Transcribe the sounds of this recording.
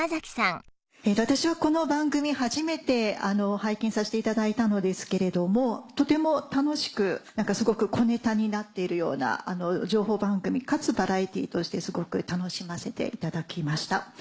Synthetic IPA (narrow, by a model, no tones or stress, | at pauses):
azakʲi̥sãŋ | et̪at̪aɕiβako̞no̞bãŋɡɯ̟mʲihaʑime̞t̪e̞ano̞haikʲĩɰ̃saɕi̥t̪e̞it̪ad̪ait̪ano̞d̪e̞sɨ̥ke̞ɾe̞d̪o̞mo̞t̪o̞t̪e̞mo̞t̪ano̞ɕi̥kɯ̟nãŋkasɨɡo̞kɯ̟kʰo̞ne̞t̪aɲ̟inat̪ːe̞iɾɯ̟jo̞̰ːna̰ano̞d͡ʑo̞ːɦo̞ːbãŋɡɯ̟mʲikat͡sɨbaɾait̪ʲḭːt̪o̞ɕi̥t̪e̞sɨɡo̞kɯ̟t̪ano̞ɕimase̞t̪e̞̰ʔit̪ad̪akʲimaɕi̥t̪a